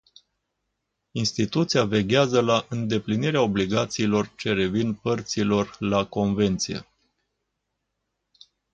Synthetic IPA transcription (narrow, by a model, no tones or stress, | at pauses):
inst̪it̪ut̪siave̞ɡʲazəlaʔɨnd̪e̞pliniɾeao̞bliɡat̪siːlo̞rt͡ʃe̞ɾe̞vinpərt̪silo̞rlako̞nve̞nt̪sije̞̰